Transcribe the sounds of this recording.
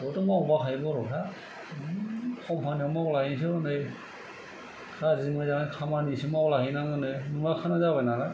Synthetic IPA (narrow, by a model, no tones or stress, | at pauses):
ɔtɔmbakʰajbɔɾɔtʰa | kʰɔmpʰanɔmklaɦis̬ɯɯnɯj | kʰazimazaŋakʰamanisɯmɔaklaɦinaŋɯnɯjnɯŋlakʰanazabanala